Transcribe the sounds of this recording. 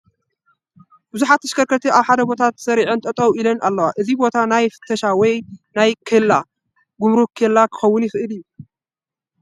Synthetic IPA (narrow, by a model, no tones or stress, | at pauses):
b̥ɨzuħat̪ːɐ̥ʃkɐɾkʰɐt̪ʰiaβħad̪ɐbo̞t̪ʰat̪sɐɾiʕɨnt̪ʼɐt̪ʼɐwilɐnʔalːɐwaʔɨzibo̞t̪ʰanajfɨ̥t̪ʰːɐʃawɔjnajkʰɨlːa | ɡumɾukʰɐlːakʰɨ̥xɐwːʊnjɪxɨʔɨlɨjːu